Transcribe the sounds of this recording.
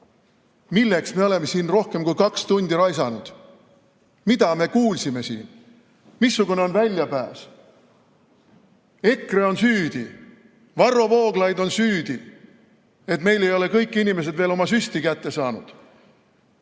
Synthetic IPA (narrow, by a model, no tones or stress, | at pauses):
milːe̞ksme̞o̞le̞me̞siːnro̞hke̞mkujkɑkst̪und̪iɾɑjsɑnud̪̥ | mid̪̥ɑme̞kuːlsime̞sḭːn | misːuɡuneo̞nvælʲjɑpæːs | e̞kre̞o̞nsyːd̪̥i | vɑrːo̞vo̞ːɡ̥lɑjd̪o̞nsyːd̪̥i | e̞t̪me̞jle̞jo̞le̞kɤjkːˑinime̞s̬e̞d̪veːlo̞mɑsyst̪ikæt̪ːe̞sɑːnṵd̪̥